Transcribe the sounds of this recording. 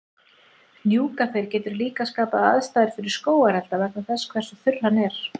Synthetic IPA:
njuːkaθejɾ̥cɛːt̪ʏɾliːkaskaːpaða̰ðst̪aːðɪɾ̥fɪɾɪɾ̥skoːwaɾɛlt̪avɛknaθɛskʰv̥ɛr̥sɔθʏr̥hanːɛɾ̥

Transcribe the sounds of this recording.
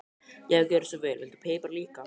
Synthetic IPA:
jɛɛcɛːɾɪsɔvɛːlɛlt̪pʰeːjpaɾliːka

